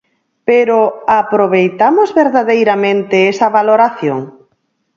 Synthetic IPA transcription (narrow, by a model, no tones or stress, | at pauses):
peɾoapɾoβ̞ejt̪amozβeɾðaðejɾamẽnt̪eesɐβaloɾaθjoŋ